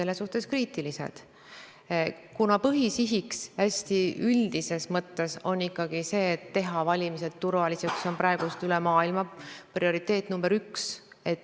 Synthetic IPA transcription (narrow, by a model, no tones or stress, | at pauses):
e̞lːesuht̪e̞skɾiːt̪ilise̞̰d̪̥ | kunɑpɤɦisiɦiksæsʲt̪iyld̪̥ise̞smɤt̪ːe̞so̞nːikːˑɑɡ̥ise̞ːt̪ːe̞ɦɑvɑlʲimise̞d̪̥t̪uɾvɑlisekso̞npɾɑeɡ̥ust̪ylemɑːilmɑprio̞ɾit̪ːe̞ːt̪ːˑnumbeɾyks | e̞t̪ːˑ